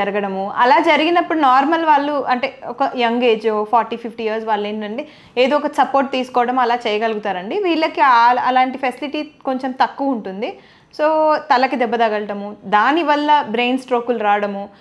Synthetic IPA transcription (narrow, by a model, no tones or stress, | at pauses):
d͡ʒɐɾɐɡɐɽɐmuɐ̰laːd͡ʒɐɾiɡinɐpːuɽunaːɾmɐlʋaːɭːuɐɳʈeːɔkɐjɐŋɡe̞ːd͡ʒoːpʰaːɾʈiːpʰipʰʈiiɐɾsʋaːɭːeːɳɐɳɖi | eːd̪oːɔkɐsɐpo̞ːɾʈ̚t̪iːsu̥kɔːʋɐɽɐmɐlaːt͡ʃɛːjɐɡɐlɡut̪aːɾɐɳɖiʋiːɭːɐkiaɐlaːɳʈipʰesiliʈiːkoɲt͡ʃemt̪ɐkːuʋɐuɳʈund̪i | soːt̪ɐlɐkid̪ɛbːɐd̪ɐɡɐlɐʈɐmud̪aːniʋɐlːɐbɾe̞ːnsʈɾo̞ːkulɾaːʋɐɽɐmu